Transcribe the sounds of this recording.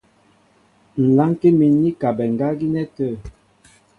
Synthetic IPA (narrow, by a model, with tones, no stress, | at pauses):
n̩˨la˦ŋke˦mi˨nːi˦ka˨bɛ˨ŋ˨ɡa˦ɡi˦nɛ˦tə˦˨